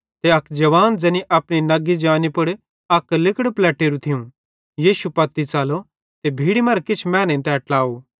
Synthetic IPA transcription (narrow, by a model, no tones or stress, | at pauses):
t̪eɐkʰd͡ʒɐʋaːnd͡ʒɛːniʔɐpɽ̃inɐɡid͡ʒaːnipʊɽ | ɐklɪkəɽplɛːʈeːɾut̪ʰijũ | jiːʃupɐt̪ːit͡saːlo | t̪ebʱiːɽimɐɾkɪt͡ʃʰmɛ̃ːnẽt̪ɛɐʈlaːoː